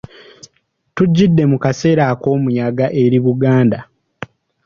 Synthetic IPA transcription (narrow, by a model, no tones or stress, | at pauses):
tuɟːidːe̞mukase̞ːɾako̞ːmuɲaɡaʔe̞ɾiβuɡaːnda